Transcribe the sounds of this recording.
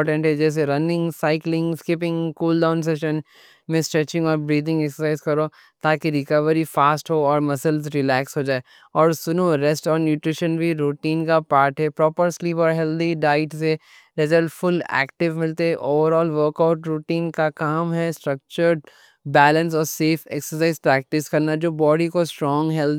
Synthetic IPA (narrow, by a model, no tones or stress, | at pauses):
ʈɛ̃ɳʈɦɛd͡ʒɛːs̬eɾɐnɪ̃ŋɡsaɪklɪ̃ŋɡskɪp̬ɪ̃ŋɡkuːlɖãʊ̃ns̬ɛʃə̃n | mẽsʈɾɛt͡ʃɪ̃ŋɡɔːɾbɾiːd̪ɪ̃ŋɡɛksəsaɪzkɐɾoː | t̪aːkiɾɪkəʋəɾifaːsʈɦoɔːɾmɐsəlz̬ɾɪlɛːksɦoːd͡ʒaːe | ɔːɾsʊnuɾɛsʈɔːɾnjuːʈɾɪʃənbʱiɾuːʈiːnkapaːɾʈɦɛpɾɔːpəɾsliːpɔːɾɦɛld̪iɖaːɪʈse | ɾɪzəlʈfʊlɛ̰ːkʈɪʋmɪlt̪eɦɛʔoːʋəɾɔːlʋəɾkaʊʈɾuːʈiːnkakaːmɦɛsʈɾɐk̚t͡ʃəɾɖ | bɛːlə̃ns̬ɔːɾseːfeksəɾsaːɪzpɾɛːk̚ʈɪskɐɾnad͡ʒoːbɔːɖikosʈɾɔ̃ːŋɡɦɛld̪